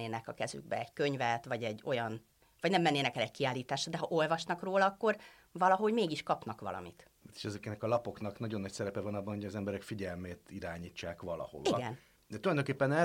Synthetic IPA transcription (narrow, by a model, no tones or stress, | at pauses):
eːnɛkɒkɛzy̰ɡ̚bɛ̰ɛɟkøɲvɛt̪vɒɟɛɟːo̞jɒn | vɒɟnɛmːɛnːeːnɛkɛlɛckiaːlːiːt̪aːʃɒd̪ɛɦɒʔo̞lvɒʃnɒkroːlɒɒkːo̞r | vɒlɒɦo̞ɟmeːɡiʃkɒpnɒkʋɒ̰lɒ̰mḭt̪at̪e̥ʃɛzɛkɛnɛkɒlɒpo̞knɒknɒɟo̞nːɒcsɛɾɛpɛvɒnɒbːɒnhojɒzɛmbɛɾɛkfiɟɛlmeːt̪iɾaːɲiːt͡ʃːaːkʋɒlɒ̰ho̰viɡɛn | d̪ɛt̪ulɒjd̪oŋkepːɛnɛ